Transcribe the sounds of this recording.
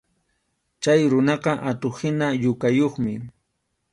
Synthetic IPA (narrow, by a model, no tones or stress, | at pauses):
t͡ʃajɾʊnɑqɑʔat̪ohɪnaʎʊkajoχmɪ